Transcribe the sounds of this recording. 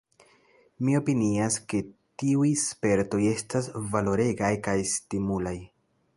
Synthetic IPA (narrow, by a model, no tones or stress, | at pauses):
mio̞piniaske̞tiujspe̞ɾto̞je̞stasvalo̞ɾe̞ɡajkajstimulaj